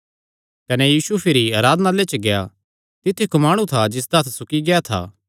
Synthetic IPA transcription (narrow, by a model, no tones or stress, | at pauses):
kɐnɛjiːsupʰɪɾiaːɾaːd̪ənaleːt͡ʃɡeja̰ | t̪ɪt̪ʰːikomaːɽ̃ũt̪ʰad͡ʒɪs̬d̪ɐt̪ʰsʊkiɡɛat̪ʰa̰ː